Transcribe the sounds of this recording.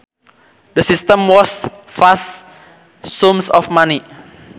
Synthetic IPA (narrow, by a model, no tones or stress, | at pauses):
dəsist̪əmwɔs | fas | sumsɔfmani